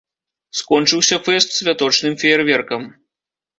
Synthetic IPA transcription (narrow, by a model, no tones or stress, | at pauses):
skɔnt͡ʂɨwsʲɐfɛst̪sʲvʲat̪ɔt͡ʂnɨmfʲiɛrvʲɛrkɐm